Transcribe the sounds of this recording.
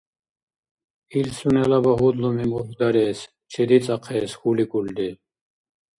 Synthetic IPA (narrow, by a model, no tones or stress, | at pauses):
ilsunɛlabaɦud̪lɔmimuɾd̪aɾɛːs | t͡ʃʰɛd̪it͡sʼaqʰɛːshulikʼuld̪i